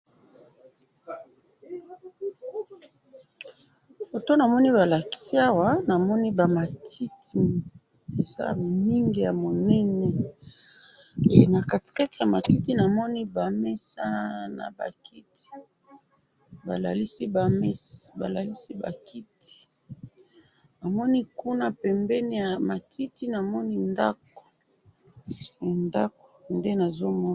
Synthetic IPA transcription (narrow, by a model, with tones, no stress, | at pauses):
bo˨to˦na˨mɔ˦ni˦ba˨la˨ki̥˦si˦a˦wa˦na˨mɔ˦ni˦ba˨ma˨tʰi˦tʰi˨ | e˨za̰˦˨mi˨mi˦ŋɡi˨ja˨mo˨nɛ˦nɛ˨ | e˨na˨ka˨ti̥˨ka˦ti˨ja˨ma˨ti˦ti˦na˨mɔ˦ni˦ba˨mɛ˦sa˦na̰˨ba̰˨ki˦ti̥˨ | ba˨la˨li˦si˦ba˨mɛ˦sba̰˨la˨li˦si˦ba̰˨ki˦ti̥˨ | na˨mɔ˦ni˦ku˦na˦pɛ˨mbɛ˦ni˦ja˨ma˨tʰi˦ti˦na˨mɔ˦ni˦nda˦ko̥˨ | nda˦k̚o̥˨nde˦na˨zo˦mɔ˦